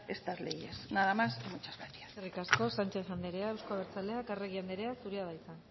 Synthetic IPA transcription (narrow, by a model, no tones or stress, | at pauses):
est̪azlḛjesnaðamasemut͡ʃazβet̪i̥aserikasko̞sant͡ʃe̞sand̪eɾeaewskoaβeɾt͡sale̞akareɣiand̪eɾeasuɾiaβajt͡san